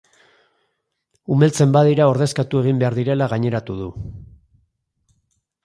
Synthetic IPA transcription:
umelt͡se̞mbaðiɾao̞ɾðe̞skat̪ue̞ɣ̞imbe̞aɾðiɾe̞laɣaɲe̞ɾat̪uðu

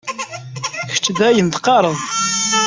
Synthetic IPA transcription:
çə̥t͡ʃːd̪æjənt̪qɑɾˤəðˤ

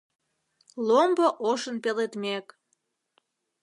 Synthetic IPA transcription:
lomboʔoʃənpelet̪mek

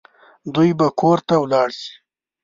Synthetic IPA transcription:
d̪ujbakoɾt̪awlɑɽsi̥

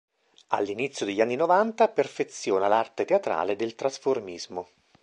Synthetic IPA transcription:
a̰lːinit̪sːjod̪eʎːanːinovant̪aperfet̪sːjɔːnalart̪et̪eat̪ɾa̰ːled̪elt̪ɾasformizmo

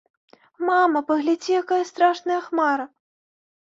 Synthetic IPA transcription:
mamɐpɐɣlʲad͡zʲijakajɐst̪ɾaʂnɨjɐxmaɾɐ

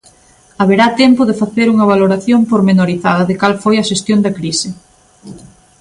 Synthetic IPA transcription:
ɐβeɾat̪ɛmpʊðɪfaθeɾuŋɐβ̞aloɾaθjompoɾmenoɾiθaðɐðɪkalfojɐʃest̪jond̪ɐkɾisɪ

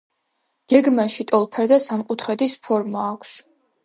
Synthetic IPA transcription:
ɡ̥ɛɡmaʃit̪ʼɔlˠpʰɛɾd̪asamqʼut̪ʰχɛd̪ispʰɔɾmaːkʷʰs

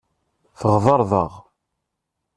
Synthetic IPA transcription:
θəʁðɑɾˤðˤəʁ

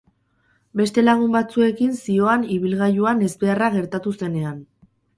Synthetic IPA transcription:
be̞st̪e̞laɣ̞umbat͡sue̞kinsio̞aniβ̞ilɣajuane̞zbe̞araɣe̞ɾt̪at̪use̞ne̞an

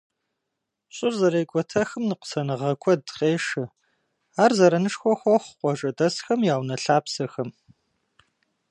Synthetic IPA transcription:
ɕʼɪrzɐɾeːkʷʼɔtʰɐxɨmnɨqə̥sɐnɨʁɐkʷʰɔdqeːʂɨ | aːrzɐɾɐnɨʂxʷɔxʷɔχqʷɔʒɐdɐsxɐmjaːwnɐɬaːpsɐxɐm

